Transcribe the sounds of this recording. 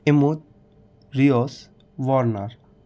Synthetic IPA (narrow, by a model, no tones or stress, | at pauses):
emut̪ | ɾiɔs | ʋɔɾnaɾ